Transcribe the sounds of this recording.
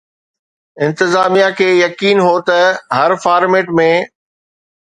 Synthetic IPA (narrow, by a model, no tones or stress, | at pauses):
ɪ̃nt̪ɪzaːmijakʰeːjɐkiːnɦot̪ɐɦɐɾfaːɾmeːʈmẽ